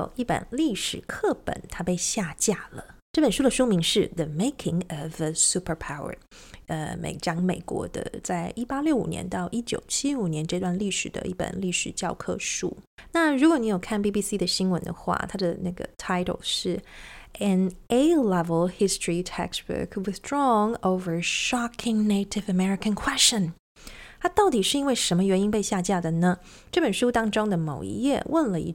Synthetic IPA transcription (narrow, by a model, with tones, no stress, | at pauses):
o̰˨˩ʊi˥˩pə̰˨˩nli˥˩ʂɻ̩˨˩kʰɤ˥˩pə̰˨˩˦nt̪ʰa˥pe˥˧ɪɕja˥˧t͡ɕja˥˩lə˩ʈ͡ʂɤ˥˩pə˨˩nʂu˥d̪ə˩ʂu˥mi˧˥ŋʂɻ̩˥˩ðə˨me˥ɪkʰɪ̃˨ŋə˨vəsu˥pʰə˞˧pʰa˥˩ʊə̰˞˨˧ | ə̰˧mḛ˨˩ɪʈ͡ʂɑ˥ŋmḛ˨˩ɪkwɔ̰˧˥d̪ə̰˧˦t͡sa˥˩ɪʔi˥pa˥ljo˥˩ʊu˨˩njɛ̰˧˦nt̪ɑ˥˧ʊʔi˥t͡ɕjo̰˨˩ʊt͡ɕʰi˥u˨˩njɛ˧˦nʈ͡ʂɤ˥˧t̪wa˥˧nli˥˩ʂɻ̩˨˩d̪ə̰˦i˥˩pə̰˨˩nli˥˩ʂɻ̩˨˩t͡ɕjɑ˥˧ʊkʰɤ̰˥˧ʂṵ˥˩ | na˥˩ɻu˧˥kwɔ˧˦ni˧˥jo˨˩ʊkʰa˥˩npi˥˧pi˥si˥d̪ə˨ɕi˥nwə̰˧˥nd̪ə̰˧xwa̰˥˩t̪ʰa˥d̪ə˨na˥˩ɡə̰˩t̪ʰa˥˩ɪɾʰo̰˨˩lʂɻ̩˥˩ɛ˨ne˥ɪlɛ˦vəlˠhɪ˥stʰɹi˨tʰɛ̰˥kbə̰˨˥kwɪ˨˩θdɹɔ˧ŋo˥ʊvə˞˨ʂɑ˥kʰɪ̃˧ŋne˥ɪɾɪ˨vəmɛ˥ɹɪ˨kʰə̃˨nkʰwɛ˥st͡ɕə̃˨˩n | t̪ʰa˥t̪ɑ˥˩ʊt̪i˨˩ʂɻ̩˥˩i˥nwe˥˩ɪʂə˧˥nmə˧ɥɛ˧˥ni˥npe˥˧ɪɕja˥˧t͡ɕja˥˩d̪ə˩nə˩ | ʈ͡ʂɤ˥˩pə˨˩nʂu˥t̪ɑ˥ŋʈ͡ʂʊ˥ŋd̪ə˨mo˨˩ʊḭ˧˥jɛ˥˧wʔə˥˩nlə˨ḭ˧˥